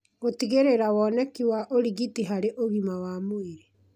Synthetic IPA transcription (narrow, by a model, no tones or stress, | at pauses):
ɣotiɣeɾeɾawɔnɛkiwaʔoɾiɣitiɦaɾeʔoɣimawamoeɾe